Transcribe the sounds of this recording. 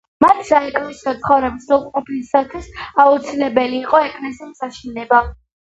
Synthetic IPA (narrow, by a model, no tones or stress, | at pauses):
mat̪ʰsaɛkʼlɛsiɔt̪sʰχɔvɾɛbisɛlˠqʼɔpʰisat̪ʰwisaut̪sʰilɛbɛliːqʼɔɛkʼlɛsimsaʃinɛba